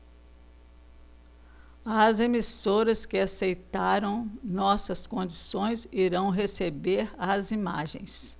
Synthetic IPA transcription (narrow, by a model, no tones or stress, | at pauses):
ɐzemisoɾɐskɪasejt̪aɾɐ̃w̃nɔsɐskõd͡ʒisõj̃ziɾɐ̃w̃ɦesebeɾɐzima̰ʒḛ̃j̃s